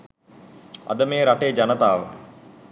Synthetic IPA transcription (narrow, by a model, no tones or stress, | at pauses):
a̰d̪əmeːɾaʈeːd͡ʒanət̪aːʋə̰